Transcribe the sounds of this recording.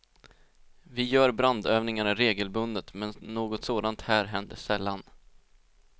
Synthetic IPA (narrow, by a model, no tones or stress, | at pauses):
vɪjœːɾbɾand̪øːvnɪŋaɾaɾeːɡəlbɵnd̪ət̪mɛnːoːɡɔt̪soːd̪ant̪hæːɾɦɛnd̪ə̰ʂɛlːan